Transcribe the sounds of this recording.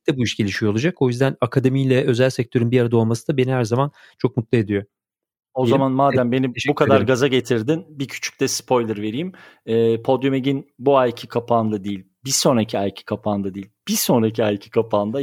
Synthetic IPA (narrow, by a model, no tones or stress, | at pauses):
t̪ɛbuiʃɟ̥e̞lʲiʃijolˠad͡ʒako̞jyzd̪ænakʰad̪e̞mijlʲɛʔø̞zælʲsɛc̚t̪ʰø̞ɾynbiaɾad̪o̞lˠmasɯd̪abe̞nihæɾzaman | t͡ʃʰo̞k̚mut̪lˠae̞d̪ijo̞ | o̞zamanmaːd̪æmbe̞nibukʰad̪aɾɡazaɟe̞t̪ʰiɾd̪inbicʰy̥t͡ʃʰy̥c̚ʲt̪ɛspʰo̞jlˠɯɾve̞ɾiːmɛːpʰo̞d̪jomeɟinbuajcʰi̥kʰapʰaːnd̪ˠad̪eilʲbiso̞nɾacʰiajcʰi̥kʰapʰaːnd̪ad̪iːilʲb̥iso̞nɾacʰiajcʰi̥kʰapʰaːnd̪a